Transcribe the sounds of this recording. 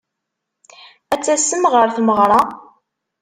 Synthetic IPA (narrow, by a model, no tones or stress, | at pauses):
æt͡sːæsəmʁəɾθməʁɾˤɑ